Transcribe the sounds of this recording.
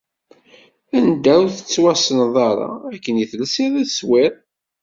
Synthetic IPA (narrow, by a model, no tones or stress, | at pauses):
ænd̪æwθə̥t͡sːwæsənðˤɑɾˤɑ̰ækːənjiθəlsiðæswɪɾ